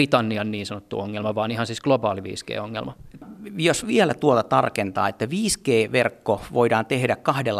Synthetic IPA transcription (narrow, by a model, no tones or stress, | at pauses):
it̪ɑnːiɑnniːnsɑnot̪ːṵoŋːelmɑʋɑːnihɑnsiːsɡ̥lobɑːliʋḭːskḛːoŋːḛlmɑjosʋiælæt̪uot̪ɑt̪ɑrkent̪ɑ̰ːet̪ːæʋiːskeːʋerkːoʋoidɑːnt̪ehdækkɑhdelː